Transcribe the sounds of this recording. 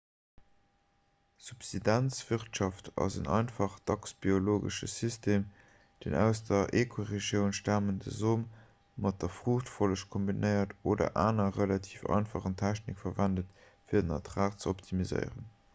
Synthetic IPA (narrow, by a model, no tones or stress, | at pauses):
supsidænt͡sv̥iʁtʃɑftʰɑ̰zə̰nʔɑ̰ɪnfɑχtʰɑksb̥ioloːɡə̰ʃəsystʰeːm | d̥enæ̰ʊsdɐʔeːkʰoʁeʒjəʊnʃtaːməndə̰zoːm | mɑt̚d̥ɐfʁ̥uχtfoləʃkʰombinəɪɐtoːdɐ̰ʔaːnɐʁəlɑtʰiːfɑ̰ɪnfɑχəntʰæɕnikfɐvændət | fiːɐdənɑtʁaːχt͡səoptʰimizə̰ɪʁə̰n